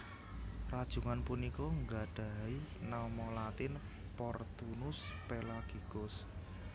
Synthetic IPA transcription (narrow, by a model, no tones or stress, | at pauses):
rad̥ʒ̥ṳŋanpunikɔŋɡaɖ̥a̤inamɔlat̪ɪn | pɔrt̪unʊspelaɡ̥ikʊs